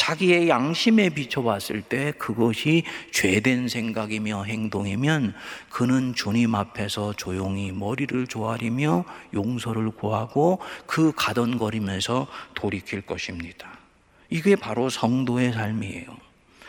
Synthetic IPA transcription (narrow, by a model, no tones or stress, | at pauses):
t͡ɕaɡie̞jaŋɕʰime̞pit͡ɕʰʌwas͈ɯɭt͈e̞kɯɡʌɕʰit͡ɕwe̞dwe̞nsʰe̞ŋɡaɡimjʌɦe̞ŋdoŋimjʌnkɯnɯnt͡ɕoɲimapʰe̞sʰʌt͡ɕojoŋimʌɾiɾɯɭt͡ɕoɦaɾimjʌjoŋsʰʌɾɯɭkoɦaɡokɯkadʌnɡʌɾimjʌnsʰʌtoɾikʰiɭk͈ʌɕʰimɲid̥a | iɡe̞paɾosʰʌŋdoe̞s̬ʰaɭmie̞̰jo̰